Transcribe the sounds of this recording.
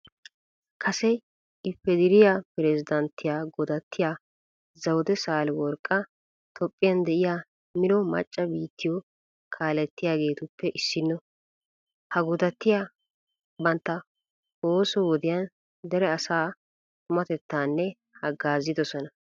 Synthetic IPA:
kʰɐsɛ | ɪpːɛd̪ɪɾɪjaːpɪɾɛzɪd̪ɐnt̪ːɪjaːɡɔd̪ɐt̪ːɪjaː | zɐwd̪ɛsaːlɪwɔɾkʼːɐ | t̪ʰɔpʼːɪjɐnd̪ɛʔɪjaː | mɪnɔmɐ̰t͡ʃʼːɐbiːt̪ːɪjɔ | kʰaːlɛt̪ːɪjaːɡe̞ːt̪ʊpːɛʔɪsːɪnːɔ | hɐɡɔd̪ɐt̪ːɪjaː | bɐnt̪ːɐ | oːsɔwɔd̪ɪjɐn | d̪ɛɾɛɐsaː | t̪ʊmɐt̪ɛt̪ːaːnːɛ | hɐɡaːzːɪd̪ɔsɔnɐ

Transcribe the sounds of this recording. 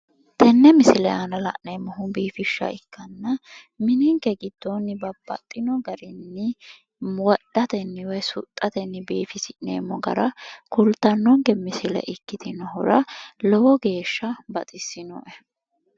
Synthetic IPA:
t̪ʰɛnːɛmɪsɪlɛanɐlɐ̰ʔnemːɔɦʊbiːfɪʃːɐ̰ɪkːɐnːɐ | mɪnɪŋkɛɡɪd̪̥ːɔnːɪbɐbːɐ̰t̪ʼːɪnɔɡɐɾɪnːɪ | wɔd̪̥ːɐt̪ɛnːɪwɛsʊ̰t̪ʼːɐt̪ɛnːɪbiːfɪsɪʔnḛːmːɔɡɐ̰ɾɐkʊlt̪ːɐnːɔŋɡɛmɪsɪlɛ̰ʔɪkːɪt̪ɪnɐɦʊɾɐlɔwɔɡe̞ːʃːɐbɐt̪ʼɪsːɪnɔ̰ʔɛ

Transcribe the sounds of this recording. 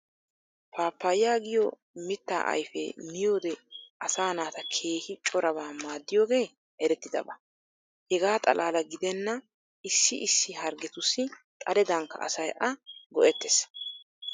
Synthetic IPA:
pʰaːpːajɪjaːɡɪjɔ | mɪt̪ːa̰ːʔɐ̰jfɛ̰nɪjoːd̪ɛʔɐsaːnaːt̪ɐkʰe̞ːhɪt͡ʃʼɔɾɐbaːmaːd̪ːɪjoːɡe̞ː | ʔɛɾɛt̪ːɪd̪ɐ̰bɐ | hɛɡaːt̪ʼɐ̰lʔaːlɐɡɪd̪ɛnːɐ | ʔɪsːɪʔɪsːɪɦɐɾɡɛt̪ʊsːɪt̪ʼɐlɛd̪ɐŋkːɐ̰ʔɐ̰sɐjʔɐɡɔʔɛt̪ːɛs

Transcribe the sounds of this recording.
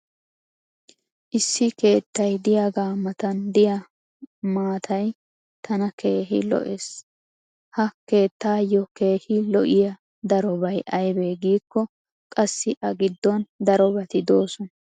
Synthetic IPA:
ʔɪsːɪke̞ːt̪ːɐjd̪ɪjaɡaːmːɐt̪ɐnd̪ɪjɐ | maːt̪ʰɐj | t̪ʰɐnɐkʰe̞ːɦɪ̰lɔ̰ʔeːs | hɐke̞ːt̪ːaːjɔke̞ːhɪlɔʔɪjɐ | d̪ɐɾɔbɐjʔɐjbeːɡiːkːɔ | kʼɐsːɪʔɐɡɪd̪ːɔnd̪ɐɾɔbɐt̪ɪd̪o̞ːsɔnɐ

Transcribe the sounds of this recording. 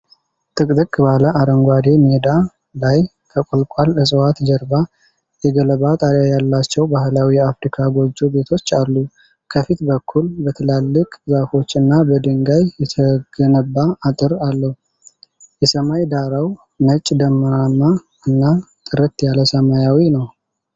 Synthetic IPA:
t̪ʼɨkʼd̪ɨkʼbaləaɾəŋɡʷad̪e̞med̪a | laj | kʰəkʼolkʼalɨsʼwat̪d͡ʒəɾba | jɛɡələβat̪ʼaɾjajalːat͡ʃːɛwbahlawiafɾikʰaɡo̞d͡ʒːo̞be̞t̪ʰo̞t͡ʃːalːu | kʰəfit̪bəkʰːulbət̪ʰɨlalːɨkʼzafo̞t͡ʃːɨnːabəd̪ɨŋɡajjɛt̪ʰəɡ̥ənəbːaːt̪ʼɨɾalːəhu | jɛsəmajd̪aɾaw | nət͡ʃʼːd̪əmːəɾamːa | ɨnːat̪ʼɨɾət̪jaləsəmajawinəw

